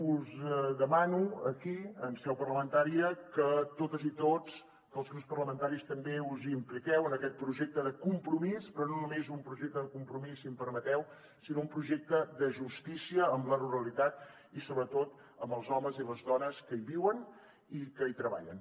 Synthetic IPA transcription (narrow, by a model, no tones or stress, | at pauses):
uzðəmanuə̰kiəmsɛwpərləmənt̪aɾiəkət̪ot̪əzit̪ot͡s | kəlˠzɣɾupspərləmənt̪aɾist̪əmbeuzimplikɛwənəkɛt̪̚pɾuʒek̚t̪əðəkumpɾumispɾɔnonumezumpɾuʒek̚t̪əðəkumpɾumisimpəɾmət̪ɛw | sinoumpɾuʒɛk̚t̪əd̪əʒust̪isiəːmləruɾəlit̪at̪̚ | isoβɾət̪ot̪ | əmbəlˠzɔməziləzðɔnəskəiβiwən | ikəit̪ɾəβa̰ʎən